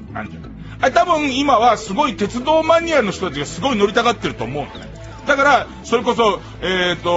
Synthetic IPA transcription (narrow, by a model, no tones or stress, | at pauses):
ã̰ɲd͡ʑa | aet̪abɯ̟̃ɯ̃imaβ̞asɨɡo̞it̪e̞t͡sɨd̪o̞ːmaɲ̟iaɾɯnoç̥t̪ot̪at͡ɕiɡasɨɡo̞ino̞ɾʲit̪aɡat̪ːe̞ɾɯ̟t̪o̞ːmo̞ɯ̟̃none | d̪akaɾa | so̞ɾe̞ko̞s̬o̞ | eːt̪ːo̞